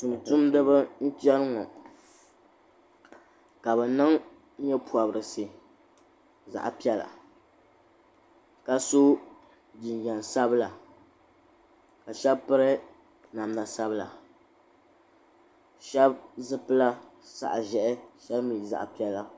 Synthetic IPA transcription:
tu˨m˨tʊ˦mdɨ˦bɨ˦n̩˦tɛ˦ɾɨ˦ŋɔ˨ | ka˨bɛ˨nɨ˦ŋ˦ | ɲɛ˦pu˨a˨bɨ˨ɾɨ˨sɨ˨ | za̰˨ʔpi˦ɛ˦la̰˨ | ka˦so˦ | d͡ʒi˨n˨jɛ˨n˨sa˦bla˨ | ka˨ʃɛ˦bpɨ˦ɾɨ˦ | na˨mna˨sa˦bɨ˦la̰˨ | ʃɛ˦bzɨ˦pɨ˦la˦ | sa̰˨ʔʒɛ˨ʔɪ˦ʃɛ˦bmi˨za̰˨ʔpi˦ɛ˦la˨

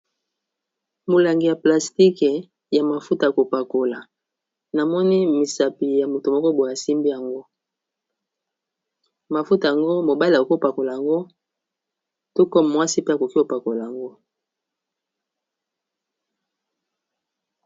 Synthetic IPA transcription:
mo˨la˨ŋɡi˨ja˨pla˨sti˦k | ja˨ma˨fu˦ta˨a˨ko˨pa˨ko˨la˨ | na˨mɔ˦ni˦mi˨sa˨pi˨ja˨mo˨to˨mɔ˦ko˦bo˨a˨si˦mbi˦ja˨ŋɡo˦ | ma˨fu˦ta˨ja˨ŋɡo˦mo˨ba˦la˨ko˨ko˦pa˨ko˨la˨ja˨ŋɡo˦ | to˦kɔ˦m˨mwa˦si˦pe˦a˨ko˨ki˦o˨pa˨ko˨la˨ja˨ŋɡo˦

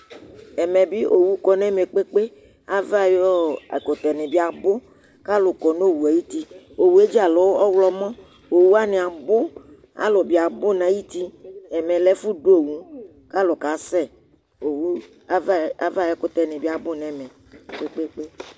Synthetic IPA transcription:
ɛ˨mɛ˨bi˦ʔo˨wu˦kɔ˨nɛ˦mɛ˨k͡pe˦k͡pe˦ | a˦va˦jɔ˦˨ko˨t̪ɛ˨ne˨bi˦a˨bʊ˦ | ka˦lʊ˨kɔ˨no˦˨wu˨a˨ji˦t̪i˦ | o˨wu˨˦e˦d͡ʒi˦a˨lɔ˨˦wɔ˦wlɔ˦mɔ̃˦ | o˨wu˦a˦nɪ̃˨a˨bʊ˦ | a̰˦lʊ˨bi˨˦a˨bʊ˦˨nã˨˦ji˦t̪i˦ɛ˨mɛ˨lɛ˦fu˦do˦˨wu˦ | ka˦lʊ˨ka˨˦sɛ˦ | o˨wu˦ | va˦va˦˨jɔ˦kʊ˦t̪ɛ˨ne˨bi˦a˨bʊ˦nɛ̃˨mɛ˨ | k͡pe˦k͡pe˦k͡pe˦

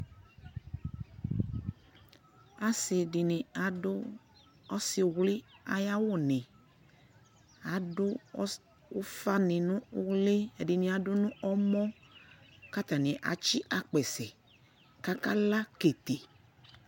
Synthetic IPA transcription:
a˨˦sɪ˨di˨nɪ̃˨a˨ʊ˦ | ɔ˦si˨wli˦a˨ja˦wʊ˦˨nɪ̃˨ | a˨˦dʊ˦ | fa˦nɪ̃˨nũ˦wle˦˨di˨nĩ˨a˨dʊ˦nũ˦ʔɔ˦mɔ̃˦ | ka˦t̪a˨nĩ˨ʔa̰˨t͡ʃi˦ʔa˨k͡pɛ˨sɛ˨ | ka˦ka˦la˦ke˨t̪e˨

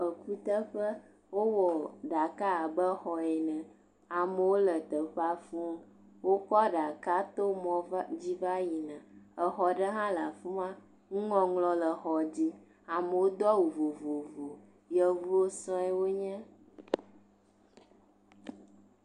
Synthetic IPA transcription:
ə˨ku˦t̪ə˦ɸə˦ | wo˦wɔ˨ɖa˨ka˦a˨bə˦xɔ˨ɛ˨nɛ̃˨ | a˨mə˨wo˦lə˨t̪ə˨ɸa˦fũ˦ŋ˦ | wo˦kɔ˦ɖa˨ka˦t̪o˦mɔ̃˨vd͡ʑi˦va˦ji˨nã˨ə˨xɔ˨ɖə˦ɦã˦la˨fu˦mã˦ | ŋũ˦ŋɔ̃˨ŋlɔ̃˨lə˨xɔ˨d͡ʑi˦ | a˨mə˨wo˦d̪ɔ˦wu˨vo˨vo˨vo˨ | jə˨vu˦o˦sɔ̃˦ɛ˦wo˦ɲɛ̃˦

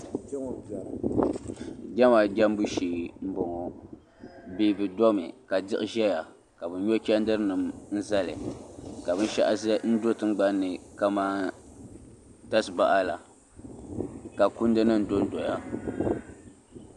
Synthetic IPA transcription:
t͡ʃɛ˦ŋo˨ba˨ | ɡʲa˦ma˨ɡʲɛ˦m˦bu˦ʃiː˨m̩˦bɔ˨ŋɔ˨ | biː˦bɨ˨dɔ˦mɪ̰˨ka˨dɪ˦ʔɪ˦ʒɛ˦ja˨ | ka˨bɨ˨nɲo˦kʲɛ˦n˦dɨ˦ɾnɨ˨mn̩˦za˦lɪ̰˨ka˨bɨ˦n˦ʃa̰˦ʔa˦zn̩˦do˦tɨ˦ɡ͡ba˦nːɨ˨ka˦maː˦ | ta˦sba̰˦ʔa˦la˨ | ka˨ku˦n˦dɨ˦nɨ˦n̩˨do˦n˦dɔ˨ja˦

